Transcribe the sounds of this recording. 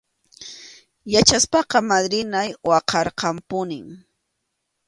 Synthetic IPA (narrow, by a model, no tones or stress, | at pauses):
jat͡ʃaspɑqɑmad̪ɾɪnajwɑqɑɾqɑmpʊnɪŋ